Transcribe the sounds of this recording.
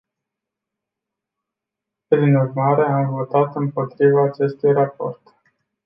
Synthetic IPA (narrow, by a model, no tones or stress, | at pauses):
pɾinurmaɾe̞amvo̞t̪at̪ɨmpo̞t̪ɾivaːt͡ʃe̞st̪ujrapo̞̰rt̪